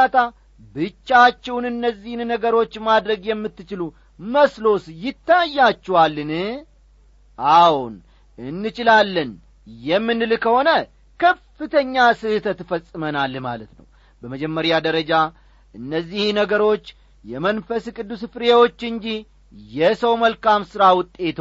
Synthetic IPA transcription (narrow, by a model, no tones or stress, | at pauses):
at̪ʰa | bɨt͡ʃːat͡ʃːɛwnɨnːəzːihnnəɡəɾo̞t͡ʃːmad̪ɾəɡjɛmːɨt̪ːɨt͡ʃɪlu | məslo̞sjɪt̪ːajːat͡ʃːɛwalːɨnɨ | ʔawun | ɨnːɨt͡ʃʼɪlalːən | jɛmːɨnːɨlkʰəho̞nə | kʰəfɨt̪ʰəɲːasɨt̪ʰət̪ːfəsʼɨmənalːma̰lət̪nə̰w | bəməd͡ʒɛmːəɾjad̪əɾəd͡ʒa | ʔɨnːəzːihnəɡəɾo̞t͡ʃː | jɛmənfəskʼɨd̪ːusfɨɾewo̞t͡ʃːɨɲd͡ʒi | jɛsəwməlkamsɨɾawʊt̪ʼːe̞t̪